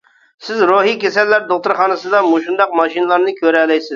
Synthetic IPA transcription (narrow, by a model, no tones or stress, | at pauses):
sɪzɾoɦikʲesɛlːæɾd̪oχt̪ʊɾχɑːnɨsɨd̪ɑmoʃund̪ɑq̚mɑʃinɨlˠɑɾnɨkʲʰøɾɛlɛjsɪz